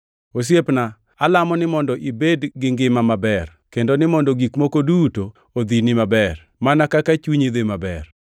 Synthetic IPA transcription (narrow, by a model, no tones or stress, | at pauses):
os̬jepna | alamɔnɪmɔndɔʔibedɡɪŋɡɪmamabɛr | kendonɪmɔndoɡikmokoduto | od̪inɪmabɛr | manakakat͡ʃuɲid̪emabɛr